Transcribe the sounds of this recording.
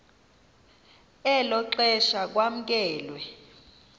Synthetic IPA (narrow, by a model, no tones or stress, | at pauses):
ɛlɔǃɛʃak̬wam̩k̬ɛːlwɛ